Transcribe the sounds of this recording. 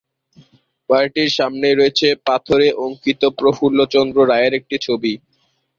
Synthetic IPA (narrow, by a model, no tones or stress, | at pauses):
baɾʈiɾʃamneɾoet͡ɕʰepat̪ʰoɾeʔoŋkit̪opɾofulːot͡ɕɔnd̪ɾoɾaeeɾek̚ʈit͡ɕʰobi